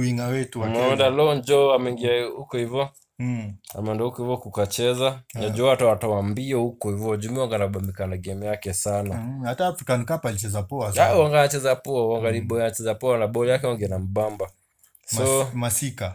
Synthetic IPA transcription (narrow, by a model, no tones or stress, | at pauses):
wiŋawɛtuamɛɛndalɔnd͡ʒɔamɛiŋɡiaukɔhivjɔ | a̰mɛɔndahukɔhivjɔkukat͡ʃɛzanad͡ʒɔaatawatawambiahukɔhivɔad͡ʒumiwaŋɡanaɓamikanaɡɛmɛjakɛsanaataːfɾikanikapalit͡ʃɛzapɔaawaŋɡanat͡ʃɛzapɔawaŋɡaliɓɔianat͡ʃɛzapɔanaɓɔɛjakɛwaŋɡɛnam̩ɓamba | sɔmasika